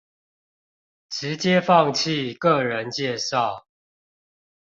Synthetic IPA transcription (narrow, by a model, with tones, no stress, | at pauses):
ʈ͡ʂɻ̩˨˦t͡ɕjɛ˦fɑ˥˨ŋt͡ɕʰi˥˨kə˥˨ɻə˨˦nt͡ɕjɛ˥˨ʂɑ˥˨ʊ